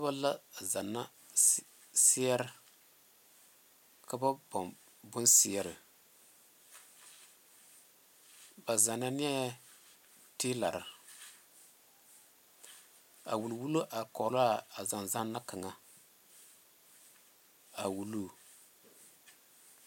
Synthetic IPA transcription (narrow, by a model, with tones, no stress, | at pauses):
a˦ba˦la˦˨za˨nːa˦ | sɪ˦ja˦ɾɨ˦ | ka˦ba˦bɔ˨ | bʊ˦nsɪ˨a˨ɾɨ˨ | ba˨za˨na˦nɪ˦a˦ | tiː˦la˨ɾɨ˨ | a̰˨wu˨lwu˦lo˦ʔa˨kɔ˨la˦a˨za˨nza˦nːa˦ka˨ŋa˨ | a˨wu˨lu˦˨